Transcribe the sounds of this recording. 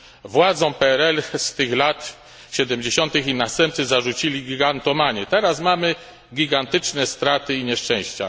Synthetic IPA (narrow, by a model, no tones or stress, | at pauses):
vwad̪zɔ̃w̃pɛɛɾɛlst̪ɘxlat̪ | ɕɛd̪ɛmd͡ʑeɕɔnt̪ɘxinast̪ɛmp̚t̪sɘzaʐut͡ɕilʲiɡʲiɡant̪ɔmaɲɛt̪ɛɾasmamɘ | ɡʲiɡant̪ɘt͡ʂnɛst̪ɾat̪ɘiɲɛʂt͡ʂɛ̃w̃ɕt͡ɕa̰